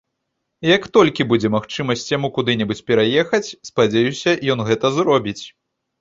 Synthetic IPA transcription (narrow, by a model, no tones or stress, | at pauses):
jɐkt̪ɔlʲkʲibud͡zʲɛmaxt͡ʂɨmɐsʲt͡sʲjamukud̪ɨnʲɛbut͡sʲpʲɛɾajɛxɐt͡sʲspad͡zʲejusʲɐjɔnɣɛt̪ɐzɾɔbʲit͡sʲ